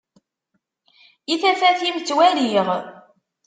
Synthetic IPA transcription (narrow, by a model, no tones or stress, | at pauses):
iθæfæθimt͡sːwæliʁ